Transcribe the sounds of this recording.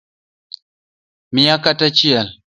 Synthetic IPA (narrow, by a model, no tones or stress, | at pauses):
mijakatat͡ʃijal